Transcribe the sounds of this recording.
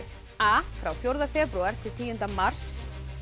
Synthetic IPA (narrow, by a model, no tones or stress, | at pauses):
afɾawθjowɾðafɛːpɾuaɾ̥t̪ʰɪlt̪ʰiːjʏnt̪amar̥s